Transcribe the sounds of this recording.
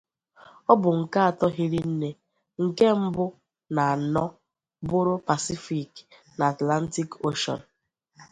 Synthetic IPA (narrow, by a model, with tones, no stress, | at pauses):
ɔ˦bʊ˨ŋ̩˨ka˦a˨tɔ˦ɦi˦ɾi˦n̩˦ne˦ | ŋ̩˨ke˦m̩˦bʊ˦ | na˨a˨nɔ˦ | bʊ˦ɾʊ˦pa˨si˦fi˦˨k | na˨a˨tla˦n˦ti˦ko˦ʃɔ̰˨n̩˨